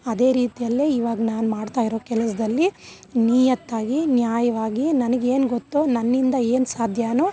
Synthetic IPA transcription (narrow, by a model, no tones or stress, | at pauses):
ɐd̪e̞ːɾiːt̪ijɐlːeːiːʋaːɡɐnaːnumaːɖt̪aːjiɾoːkɛlɐs̬ɐd̪ɐlːi | niːjɐt̪ːaːɡinjaːjɐʋaːɡinɐnɐɡe̞ːnɡot̪ːunɐnːind̪ɐe̞ːnsaːd̪ʱjaːnu